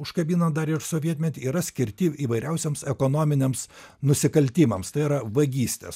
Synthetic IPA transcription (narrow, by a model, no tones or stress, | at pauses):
ʊʃkɐbʲiːnɐd̪ɐɾɪʃsoːʋʲiɛt̪ʲmʲɛt̪ʲiiːɾɐsʲkʲɪɾʲt̪ʲɪiːʋɐɪɾʲɛʊsʲɛmsɛkoːnoːmʲɪnʲemsnʊsʲɪkɐlʲt̪ʲiːmɐmst̪ɐɪiɾɐʋɐɡʲiːsʲt̪ʲḛːs